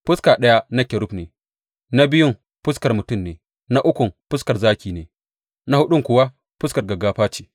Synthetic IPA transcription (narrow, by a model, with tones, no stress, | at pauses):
pʊ˦skaː˨ɗɐ˦ja˦na˦kʲe˨ɾʊ˦ɸneː˨ | na˦bɪ˦jʊ˦m | ɸʊ˦skɐ˨rmʊ˨tʊ˦˨mneː˨ | na˦ʔʊ˦kʷʊ˨mpʊ˦skɐ˨rzaː˦kʲiː˨neː˨ | na˦hʊ˦ɗʊ˦ŋkʷʊ˨wa˦ | pʊ˦skɐ˨rɡɐ˨ɡaː˦ɸaː˦t͡ʃiː˨